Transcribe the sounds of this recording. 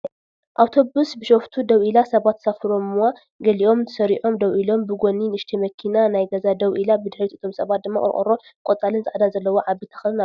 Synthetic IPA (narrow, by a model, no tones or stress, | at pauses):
ʔawt̪ʰo̞βusbɨʃoft̪ʰud̪ɐwʔilasɐβat̪ːsafɨɾo̞mwa | ɡɐliʔo̞mt̪ʰɨsɐɾiʕo̞md̪ɐwʔilo̞mbɨɡo̞ninɨʃt̪ʰimɐkʰinanajɡɐzad̪ɐβʔilabɨd̪ɨħɾit̪ɨt̪ʰo̞msɐβat̪̚d̪ɨmːa̰χʼɨ̰ɾ̰χʼɨ̰ɾo̞ | kʼot͡s̪ʼalɨnzɨʕd̪azɐlːɐwoʕaβit̪ʰɐ̥xɐlɨna